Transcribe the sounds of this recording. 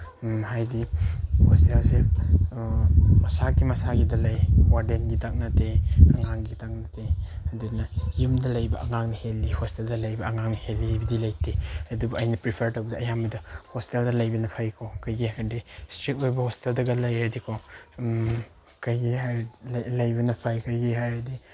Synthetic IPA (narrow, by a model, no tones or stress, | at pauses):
mɦajdihostelse | mɐsaɡimɐsaɡidɐlajwaɾdenɡitak̚nateaŋaŋɡitak̚nɐtʰeɐdunɐjumdɐlɐjbɐʔɐŋaŋnihelːihosteldɐlɐjbɐːŋaŋnihelːizbidilɐjteɐdubuʔajnɐpɾipʰeɾtɐwbɐdɐɐjamidɐhɔsteldɐlɐjbɐnɐpʰajkʰokɐjɡiɦandistɾit̚ojbɐhosteldɐɡɐlɐjhajdikʰo | kɐjɡiɦalɐjbɐnɐpʰajkajɡiɦajadi